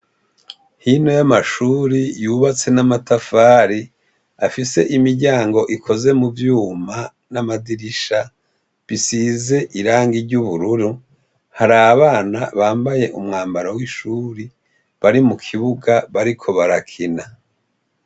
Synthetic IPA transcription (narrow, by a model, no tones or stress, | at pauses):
hino̞jamaʃuːɾijuβat͡se̞namatafaːɾi | afise̞̰ʔimiɾɟaːŋɡo̞ʔikʰo̞ze̞muvjuːma | namadiɾiʃa | βisize̞ʔiɾaːŋɡiɾɟuβuɾuɾu | haɾaːβaːnaβaːmbaje̞ʔumŋaːmbaɾawiʃuːɾi | βaɾimukʰiβuɡaβaɾikʰo̞βaɾakʰina